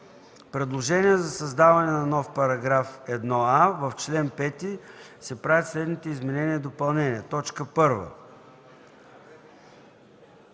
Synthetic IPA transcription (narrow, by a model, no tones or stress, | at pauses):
pɾɛd̪lˠoʒɛniɛzɐsɐzd̪avɐnɛnɐnɔfpɐɾɐɡɾafɛd̪nɔavəft͡ʃlɛnpɛt̪i | sɛpɾavʲɛt̪slɛd̪nit̪ɛizmɛnɛnʲiəd̪opɐlˠnɛniɛt̪ɔt͡ʃkəpɤɾvə̰